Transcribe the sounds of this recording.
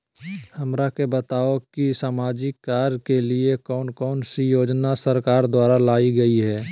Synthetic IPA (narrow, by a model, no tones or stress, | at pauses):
hɐmɾakebɐt̪aːokisaːmaːd͡ʒikaːɾkeliekɔːnkɔːnsijoːd͡ʒnasəɾkaːɾd̪waːɾalaːiɡɐiɦɛː